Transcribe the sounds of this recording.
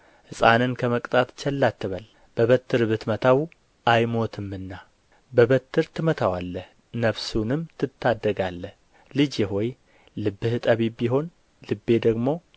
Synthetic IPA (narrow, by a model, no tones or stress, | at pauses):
hɨsʼa̰nɨnkʰəməkʼt̪ʼʰat̪t͡ʃɛlːat̪ːɨβəl | b̥əβət̪ʰːɨɾbɨt̪mət̪ʰaw | ʔajmo̞t̪ʰɨmːɨnːa | bəβət̪ːɨɾt̪ʰɨmət̪ʰawalːəh | nəβsunɨmt̪ʰɨt̪ʰːad̪ːəɡalːəh | lɨd͡ʒeɦo̞j | lɨbːɨht̪ʼəβibiɦo̞n | lɨbːe̞d̪əɡmo̞